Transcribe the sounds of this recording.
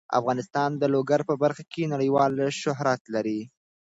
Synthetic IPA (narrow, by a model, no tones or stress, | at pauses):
a̰fɣɑnɪst̪ɑnd̪əloɡaɾpəbaɾxakʰenaɽəjwɑlʃʊɦɾat̪laɾi